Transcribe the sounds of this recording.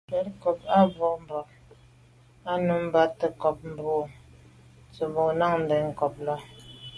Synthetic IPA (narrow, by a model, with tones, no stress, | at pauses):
kɛ˨˦tkɔ˨p̚a˦bɔ˨m˦bɔ˨ | a˦nu˨m˦ba˦tə˨kɔ˨p̚m̩˨bo˨ | t͡sə˨bo˨na˦˨ŋn̩˨dɛ˨ŋ̩˨kɔ˨p̚lɔ˦